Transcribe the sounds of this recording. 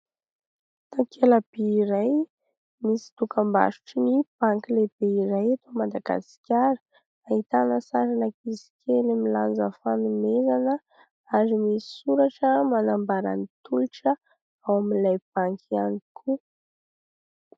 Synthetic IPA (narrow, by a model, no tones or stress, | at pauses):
t̪akʰelab̥eiɾaj | misi̥t̪ukamba̰ʃu̥ʈ͡ʂinib̥aŋkileb̥eiɾajat̪omad̪aɡa̰si̥kʲjaɾə | ait̪anəsaɾanəkisi̥kʰelimiland͡zəfanumezanə | aɾimisi̥suɾaʈ͡ʂəmanambaɾa̰nit̪uliʈ͡ʂə | awamilajb̥aŋkʰianikʰu